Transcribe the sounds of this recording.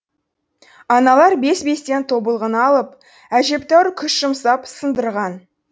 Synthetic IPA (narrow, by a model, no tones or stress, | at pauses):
ɑnɑlˠɑɾbe̞sbe̞st̪e̞nt̪ʰo̞bəlˠʁənɑlˠəp | æʒe̞pt̪æwɾkʲʰʏʃʒ̥əmsɑpsənd̪əɾʁɑn